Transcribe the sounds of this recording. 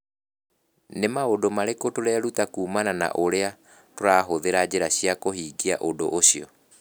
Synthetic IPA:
nemaodomaɾekotoɾɛɾutakuːmanana̰ʔoɾea | toɾaːɦoðeɾad͡ʑeɾaɕiakohiːɡiaʔodo̰ʔoɕiɔ

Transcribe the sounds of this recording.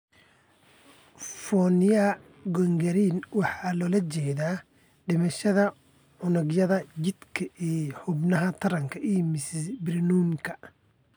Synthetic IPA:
fɔːnɪjɐ | ɡɔŋɡɐɾiːnwɑħɑːlɔːlɐt͡ʃɛːðaː | ɖɪmɐʃɐðɐ | ʕʊnʊɡjɐðɐd͡ʒɪd̪kʰɐʔiːħʊbnɐɦɐt̪ʰɐɾɐŋkʰɐʔiːmɪsɪbɾɪnuːmkʰɐ

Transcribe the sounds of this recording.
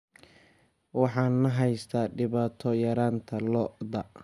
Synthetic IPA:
wɑħɑːnːɐɦɛjst̪ʰaːɖɪβaːt̪ʰɔjɐɾaːnt̪ʰɐlɔd̪ɐ

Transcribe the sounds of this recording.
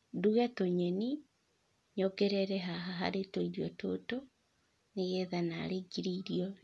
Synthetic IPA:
duɣɛtoɲeni | ɲokɛɾɛɾɛɦaɦaɦa̰ɾetoiɾiɔto̰to | neɣɛðana̰ɾeɡiɾiɾiɔ

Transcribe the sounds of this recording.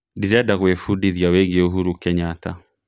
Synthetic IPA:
diɾɛdaɣwɛfudiðjawɛŋɡiuɦuɾukɛɲata̰

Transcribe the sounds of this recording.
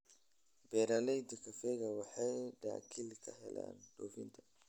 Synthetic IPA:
bɛːɾalɛjd̪ɐkʰɐfɛɣɐwɑħɑjɖa̰ːkʰilkʰɐɦɛ̰lʔa̰ːnd̪̥ɔːfɪnt̪ʰɐ̥

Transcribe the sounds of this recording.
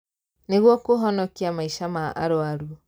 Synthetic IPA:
neɣwɔkoɦɔnɔkiamaiʃamaa̰ɾoaɾuɔ

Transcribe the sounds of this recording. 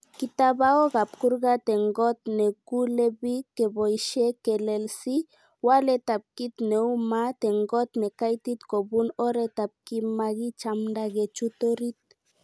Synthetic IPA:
kit̪aβaoɣap̚kuɾɣat̪eŋɡot̪nekuleβikeβojʃekelelsi | walet̪ap̚kit̪neumat̪eŋɡot̪nekajt̪it̪koβunoɾet̪ap̚kimaɣit͡ʃamdaɣet͡ʃut̪oɾit̪̚

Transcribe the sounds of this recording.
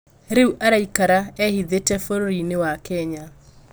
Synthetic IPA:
ɾeuʔaɾaikaɾaɛhiðetɛfoɾoɾinewakɛɲa

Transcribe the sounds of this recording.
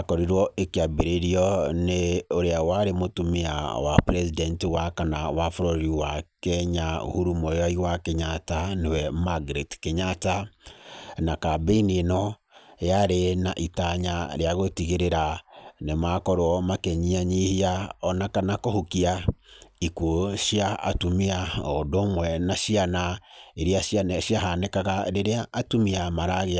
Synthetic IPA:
akɔɾiɾwɔekiabeɾeɾiɔneoɾeawaɾemotumea̰wapɾɛsidɛntewakanawafoɾɔɾɾiwakɛɲao̰huɾumɔjɔiwakeɲatanewɛmaɡɾetkeɲata | nakabeinienɔjaɾenaʔitaɲaɾeaɣotiɣeɾeɾanemakɔɾwɔmakɛɲiaɲihiaɔnakanakohukiaikwoʃja̰ːtumiaɔdomwɛnaʃianaeɾiaʃanaʃjahanekaɣaɾeɾeaʔːtumiamaɾaɣea

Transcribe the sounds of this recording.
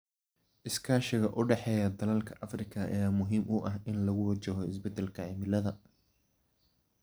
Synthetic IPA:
ʔɪskʰaːʃɪɣɐʔʊɖɛħɛːjɐd̪ɐlɐlkʰɐʔɐfrɪkʰɐʔɐ̰jaːmʊɦiːmʔʊʔɐɦɪnlɐɣʊwɐt͡ʃɐɦɔɪsbɛd̪ɛlkʰɐʕɪmɪlɐðɐ

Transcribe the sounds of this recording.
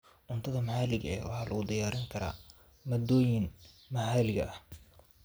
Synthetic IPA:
ʔʊnt̪ʰɐðɐmɐħaːlɪɣɐɛ̰wɑħɑːlʔɐ̰ɣʊd̪ɪjaːɾɪŋkʰɐɾa̰ː | mɐd̪ɔːjɪn | mɐħaːlɪɣɐ̰ʔɐh

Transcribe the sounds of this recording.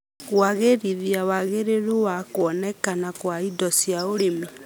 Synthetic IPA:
ɣwaɣeɾiɾiawaɣeɾeɾowakwɔnɛkanakwaidɔsjaoɾemi

